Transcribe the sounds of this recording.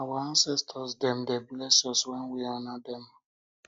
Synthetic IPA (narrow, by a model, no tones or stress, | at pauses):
awaãnsɛstʰɔsdɛ̃mdɛblɛsɔswɛ̃nwiɔnadɛ̃m